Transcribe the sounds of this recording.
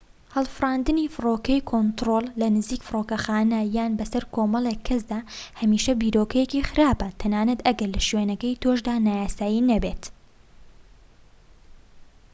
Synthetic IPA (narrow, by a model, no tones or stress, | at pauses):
hɐlˠfɨɾˤaːnd̪ɨnifɨroːkɐjkʰont̪ɾoːlˠːɐnɨziːkfɨɾoːkɐxaːnɐjaːnbɐsɐɾkʰoːmɐlˠekʰːɐsd̪aːhɐmiːʃɐbiːɾoːkɐjecixɨɾaːbɐt̪ʰɐnaːnɐt̪ɐɡɐɾlɐʃɥenɐkɐjt̪ʰoʃd̪aːnaːjaːsaːjinɐbeːt̪